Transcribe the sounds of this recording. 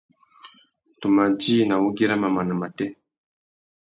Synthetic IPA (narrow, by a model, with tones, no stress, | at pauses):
tu˨ma˨d͡ʒi˦˨na˨u˦ɡi˦ɾa˦ma˨ma˨na˨ma˨tɛ˦